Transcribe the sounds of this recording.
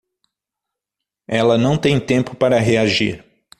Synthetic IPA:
ɛlɐnɐ̃w̃t̪ẽj̃t̪ẽmpʊpaɾɐɦeaʒḭɾ

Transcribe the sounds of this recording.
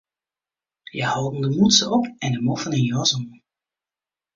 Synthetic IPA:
jəhɑwdən̩dəmutsəɔpɛndəmɔfənɪnjɔzɔn

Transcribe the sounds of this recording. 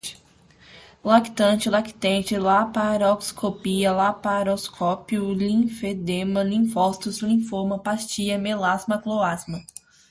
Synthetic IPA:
laki̥t̪ɐ̃t͡ʃɪlaki̥t̪ẽt͡ʃɪlapaɾɔkskʰopiɐlapaɾoskʰɔpjʊlĩfed̪ẽmɐlĩfɔst̪ʊslĩfomɐpast͡ʃiɐmelazmɐkloazmɐ

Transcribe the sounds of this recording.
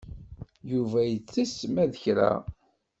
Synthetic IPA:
juvæjət͡sːismæðəçɾæ̰

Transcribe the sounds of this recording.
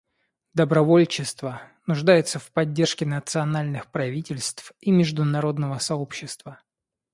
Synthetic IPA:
d̪əbɾɐvolʲt͡ɕːɪst̪və | nʊʐd̪ajɪt̪səfpɐdʲːe̞rʂkʲɪnət̪sɨɐnalʲnɨxpɾɐvʲitʲɪlʲst̪fimʲɪʐd̪ʊnɐɾo̞d̪nəvəsɐo̞pɕːɪst̪və

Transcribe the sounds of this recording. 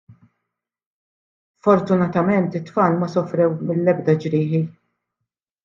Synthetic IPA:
fɔɾt̪ʊnɐt̪ɐmɛnt̪ɪt̪ːfɐːlmɐsɔfɾɛwmɪlːɛbd̪ɐd͡ʒɾɪːħi

